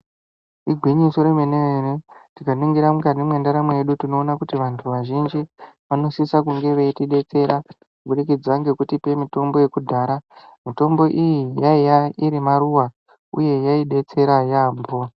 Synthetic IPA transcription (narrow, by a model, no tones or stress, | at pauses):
iɡʱwiɲiso̞ɾemeneeretikaniŋɡiɾamukanimwe̞ndaɾamwejeɗutino̞ːnakutiʋantʰuʋaʒind͡ʒiʋano̞sisakuŋɡe̞ʋeitiɗe̞t͡se̞ɾa | buɗikid͡zaŋɡe̞kutipe̞mito̞mbo̞je̞kudʱaːɾamito̞mbo̞ʔijijaijaiɾimaɾuwa | ṵje̞jaiɗe̞t͡se̞ɾajaːmbo̞